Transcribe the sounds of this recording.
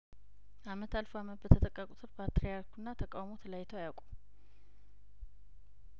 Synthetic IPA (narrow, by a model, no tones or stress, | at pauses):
ʔamət̪ʰalfoamət̪̚bət̪ʰət̪ʼəkʼːəkʼut̪ʰɨɾpʰat̪ɾijaɾkunːat̪ʰəkʼawmot̪ʰəlajt̪ʰəwajawkʷʼum